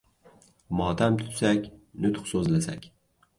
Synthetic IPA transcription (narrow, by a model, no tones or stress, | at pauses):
mɒt̪ʰamt̪ʰʊ̥t̪sakʲnʊt̪χsɵzlasa̰kʲ